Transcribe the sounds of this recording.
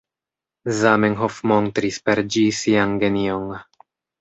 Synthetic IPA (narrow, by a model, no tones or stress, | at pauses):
zamenɦofmont̪ɾispeɾd͡ʒisianɡenioŋ